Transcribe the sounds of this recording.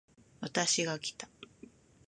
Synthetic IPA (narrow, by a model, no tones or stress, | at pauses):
βat̪aɕiɡakʲi̥t̪ḁ